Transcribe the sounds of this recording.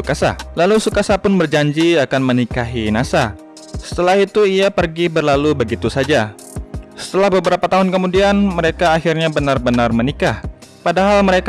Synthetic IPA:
ukasa̰lalusukasapʊnbərd͡ʒaɲd͡ʒiakanmənikaɦinasa | sə̥t̪əlahit̪uiapərɡibərlalubəɡit̪usad͡ʒa | sə̥t̪əlahbəbəɾapat̪aɦʊnkəmudianməɾekaːxirɲabənarbənarmənikah | padaɦalməɾek

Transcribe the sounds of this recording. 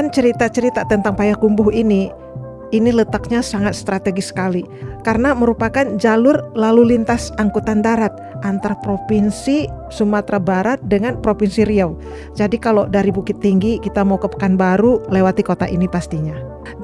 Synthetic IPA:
ant͡ʃəɾit̪at͡ʃəɾit̪at̪ənt̪aŋpajakumbʊhiniː | nilət̪ak̚ɲasaŋat̪̚st̪ɾat̪eɡisə̥kali | karənaməɾupakand͡ʒalʊrlalulint̪asaŋkut̪andaɾat̪̚ʔant̪aɾapɾopinsi | sumat̪ɾabaɾat̪̚dəŋanpɾopinsiɾiaw | d͡ʒadikalodaɾibukɪt̪ːiŋɡikit̪amukəpə̥kanbaɾulewat̪ikot̪a̰ʔḭnipast̪iɲa

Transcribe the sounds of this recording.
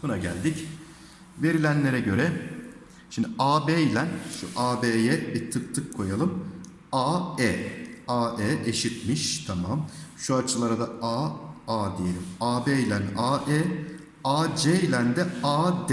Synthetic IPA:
bunaɟæ̰lʲd̪ic | ve̞ɾilʲænlʲe̞ɾɛɟø̞ɾɛ | ʃimd̪iʔaːbejlʲænʃṵʔaːbeːjɛbiɾt̪ʰɯk̚t̪ʰɯkʰːo̞jalˠɯm | aːeːaːʔɛːʔeʃit̪miʃt̪ʰamamʃuat͡ʃʰɯlˠaɾad̪aaːaːd̪ije̞lʲimaːbejlʲænaːʔɛː | aːd͡ʒejlʲænd̪ɛaːd̪

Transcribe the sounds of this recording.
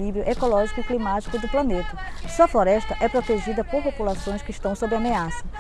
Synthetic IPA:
ivɾiʊʔekolɔʒikʊiklimat͡ʃi̥kʊd̪ʊplɐnet̪ɐɐsuɐfloɾɛʃt̪ɐʔɛpɾot̪eʒid̪ɐpoɾpopulasõj̃skɪʃt̪ɐ̃w̃sobɾɪameasɐ

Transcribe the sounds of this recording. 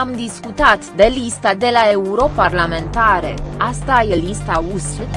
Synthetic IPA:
amd̪iskut̪at̪d̪e̞list̪ad̪e̞lae̞uɾo̞parlame̞nt̪aɾe̞̰ast̪aje̞list̪ausl

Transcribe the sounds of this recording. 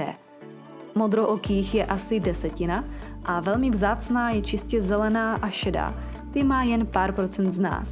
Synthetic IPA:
ɛ | mod̪ɾoʔokiːxjɛʔasɪdɛsɛcɪnaʔavɛlmɪvzaːt͡snaːjɛt͡ʃɪscɛzɛlɛnaːʔaʃɛda̰ː | t̪ɪmaːjɛnpaːɾpɾot͡sɛnt̪zna̰ːs

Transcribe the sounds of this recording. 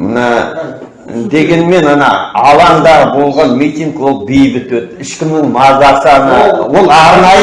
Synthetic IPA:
mənɑ | d̪e̞ɡʲe̞nme̞nɑnɑ̰ɑlˠɑnd̪ɑɾbo̞lˠʁɑnmit̪ʲiŋɡwo̞lˠbejbɪt̪wɵt̪ːɪʃkʲɪmnɪŋmɑzɑsəɑnɑ̰wo̞lˠɑɾnɑj

